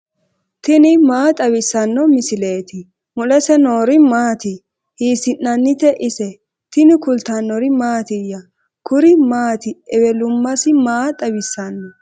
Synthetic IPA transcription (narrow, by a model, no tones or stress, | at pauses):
t̪ɪnɪmaːt̪ʼɐwɪsːɐnːɔmɪsɪleːt̪ɪ | mʊlɛsɛnoːɾɪmaːt̪ɪ | hiːsɪnːɐnːɪt̪ɛʔɪsɛ | t̪ɪnɪkʊlt̪anːɔɾɪmaːt̪ɪjɐ | kʊɾɪmaːt̪ɪɛwɛlʊmːɐsɪmaːt̪ʼɐbɪsːɐnːɔ